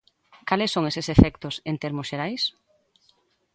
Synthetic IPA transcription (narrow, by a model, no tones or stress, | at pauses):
kalɪsːoŋesɪsefɛkt̪ʊsent̪ɛɾmʊsʃeɾajs